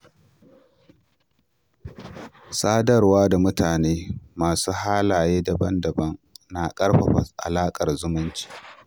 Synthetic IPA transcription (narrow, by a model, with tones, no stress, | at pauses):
saː˦dɐ˦˨rwaː˦da˨mʊ˦taː˨neː˦maː˨suː˦haː˦laː˨jeː˦da˨bɐ˦ndɐ˨bɐ˦ŋnaː˨kʼɐ˦rɸɐ˨ɸɐ̰˨ʔa̰˨laː˦kʼɐ˨rzʊ˦mʊ˦nt͡ʃi̥ː˦ʔ